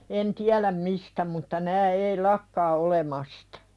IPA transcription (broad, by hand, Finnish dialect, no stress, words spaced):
en tiælæm mistæ mutːɑ næː ei lɑkːɑː olemɑstɑ̥